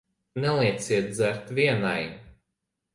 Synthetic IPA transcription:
nɛlˠiɛt̪siɛt̪̚d̪zæɾt̪viɛnaj

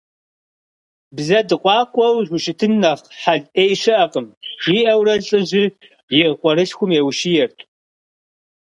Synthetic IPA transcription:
bzɐdɨqʷʼɑːkʷʼɔwʑʷʊʃɪtʰɨnːɐχħaɮʔeːjʃɨʔɐqʼəmiːʔɐwrɐɮʼɨʑɪ | jɪʁəqʷʼɔɾɨɕxʷʊmewʃijɛrtʰʼ

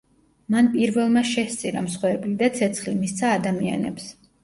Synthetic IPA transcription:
manpʼiɾvɛlˠmaʃɛst̪sʼiɾa̰msχwɛblid̪at̪sʰɛt̪sʰχlimist̪sʰaːd̪amia̰nɛ̰ps

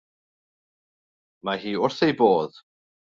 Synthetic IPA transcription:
maɦiːʊrθejboːð

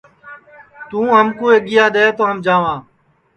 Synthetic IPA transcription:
t̪ũːɦəmkoːeːɡɪjaːɗ̪eːt̪oːɦəmd͡ʒaːʋãː

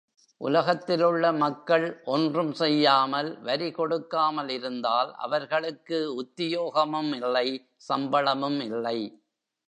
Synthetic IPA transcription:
ʔʊ̰lɐɣɐt̪ːɪlɯɭːɐmɐkːɐɭʔɔndrɯmsɛjːaːmɐlʋɐɾikɔɽɯkːaːmɐlɪɾɯnd̪aːlʔɐ̰ʋɐɾɣɐɭɯkːɯʊt̪ːɪjoːɣɐmɯmɪlːɐɪ | sɐmbɐɭɐmɯmɪlːɐɪ

